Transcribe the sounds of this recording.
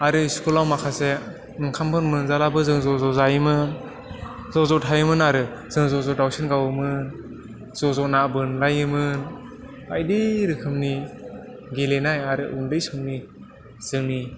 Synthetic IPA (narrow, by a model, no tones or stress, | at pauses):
aɾɯskulawmakʰase | ɯŋkʰampʰɯnmɯnzalabɯzɯŋzɔzɔzajmɯn | zɔzɔtʰajɯmɯnaɾɯz̥ɯŋzɔzɔdawsɯnɡawɯmɯn | z̥ɔzɔʔnabɯnlajɯmɯn | bajdiɾɯkʰɯmni | ɡilenajaɾɯʔundɯjsɔŋni | z̥ɯŋni